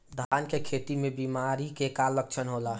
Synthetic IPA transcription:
d̪ʱankekʰet̪imebimaɾikekalək̚t͡ʃʰənɦola

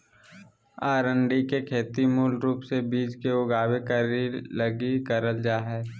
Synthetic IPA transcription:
aːɾə̃ɳɖikekʰeːt̪imuːlɾuːpsebiːd͡ʒkeʊɡaːwekəɾiləɡikəɾəld͡ʒaːɦɛː

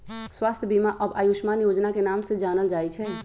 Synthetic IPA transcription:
swast̪ʰəbimaʔəbajuʃmanjod͡ʒnakenamsẽd͡ʒanəld͡ʒaɛt͡ʃʰɛ

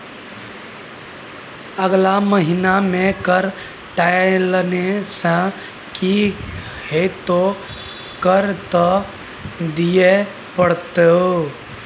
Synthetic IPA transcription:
əɡlaməɦinamekəɾ | ʈalənesə̃ | ki | het̪o | kəɾt̪ɔ | d̪ije | pəɽt̪eo

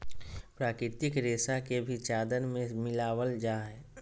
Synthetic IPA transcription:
pɾaːkɾɪt̪ɪkɾeːsakebʱit͡ʃaːd̪ənmẽmɪlaːwəld͡ʒaːɦɛː

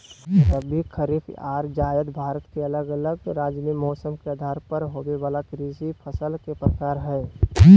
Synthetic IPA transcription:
əbʱikʰəɾifaːɾd͡ʒaːjəd̪bʱaːɾət̪keələɡələɡɾaːd͡ʒnimɔːsəmkead̪ʱaːɾpəɾɦoːweʋaːlakɾizipʰəsəlkepɾəkaːɾɦɛː

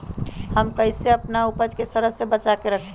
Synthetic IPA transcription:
həmkəɪseəpnaupəd͡ʒkesəɾəsebət͡ʃakeɾəkʰ

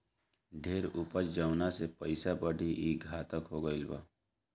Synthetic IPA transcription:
ɖʱeːɾʊpət͡ʃd͡ʒəʊnasepəɪsabəɖʱiʔiːɡʱaːt̪əkɦoːɡəɪlba̰ː

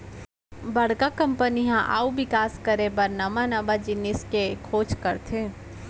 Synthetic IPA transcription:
bɐɽ̤ɡakɐ̃mpəniɦãʔa̰ːubɪkaːskəɾẽbɐɾnamanabad͡ʒɪnɪskekʰoːt͡ʃkəɾt̪ʰẽː

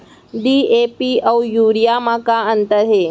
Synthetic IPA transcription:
ɖiːepiəwjuːɾijamakaənt̪əɾɦe

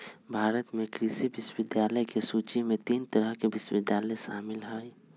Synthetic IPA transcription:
bʱaːɾət̪mẽkɾisibɪʃwɪd̪jaːləjkesuːt͡ʃimẽt̪iːnt̪əɾəɦkeʋɪʃʋɪd̪jaːləjʃa̰ːmɪlɦaːi

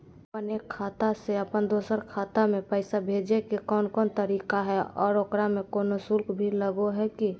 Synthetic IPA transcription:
pəneːkʰːaːt̪aseəpənd̪oːsəɾkʰaːt̪amẽpəɪsabʱeːd͡ʒekekɔːnkɔːnt̪əɾiːkaɦɛɔːɾoːkɾamẽkoːnosʊlkʰbʱiləɡoɦɛki

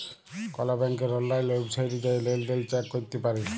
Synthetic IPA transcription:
kɔlabɛŋkeɾɔlːajlobsʰajʈid͡ʒajlelɖelt͡ʃakːoɾit̪epaɾe

